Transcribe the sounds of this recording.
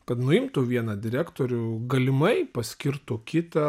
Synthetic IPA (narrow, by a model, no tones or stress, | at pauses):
kɐt̪nʊɪmt̪uʋʲiɛnɐd̪ʲɪɾʲæːkt̪oːɾʲʊɡɐlʲɪmɐɪpɐsʲkʲɪrt̪ʊkʲɪt̪ɐ